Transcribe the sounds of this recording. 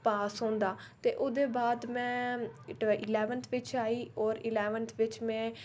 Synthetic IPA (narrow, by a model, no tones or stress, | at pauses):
paːsɦõːnd̪aːt̪ḛːʔʊd̪eːbaːd̪mɛ̃ː | ʔɪlɛːʋənt̪ʰʋɪt͡ʃaːiːɔːɾɪlɛːʋənt̪ʰʋɪt͡ʃmɛ̃ː